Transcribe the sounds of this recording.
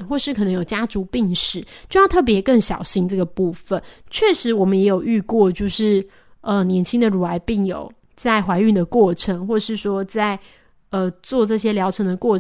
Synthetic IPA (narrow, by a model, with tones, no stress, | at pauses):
xwɔ˥˧ʂɻ̩˥kʰnə˧˦ŋjo˨˩ʊt͡ɕja˥ʈ͡ʂu˧˥pi˥˩ŋʂɻ̩˨˦t͡ɕjo˥˧ʊjʊt̪ʰɤ˥˩p̬jɛ˧˥kə˥˩ŋɕjɑ˨˩ʊɕi˥ŋʈ͡ʂɤ˥˩ɡə˩pu˥˩fə˨˦nt͡ɕʰɥɛ˥˩ʂɻ̩˧˦˥wɔ˨˩mə˦jɛ˧˥jo˨˩ʊy˥˧kwɔ˥˧t͡ɕjo˥˧ʊʂɻ̩˥˩ | ə˧njɛ˧˥nt͡ɕʰi˥ŋd̪ə˨ɻu˨˩a˧˥ɪpi˥˩ŋjo̰˨˩˦ʊ | t͡sa˥˩ɪxwa˧˥ɪy˥˩d̪ə˩kwɔ˥˩ʈ͡ʂʰə˧˥ŋxwɔ˥˩ʂɻ̩˥˩ʂwɔ˥t͡sa˥˩ɪ | ə˧t͡swɔ˥˧ʈ͡ʂɤ˥˩ɕjɛ˥ljɑ˧˥ʊʈ͡ʂʰə˧˥ŋd̪ə˨kwɔ˥˩